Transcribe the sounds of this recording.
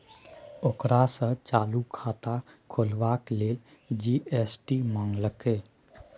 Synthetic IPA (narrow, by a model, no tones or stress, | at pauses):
okɾasə̃t͡ʃaːlukʰaːt̪akʰolwakleːld͡ʒiːʔesʈimãːŋɡləkeː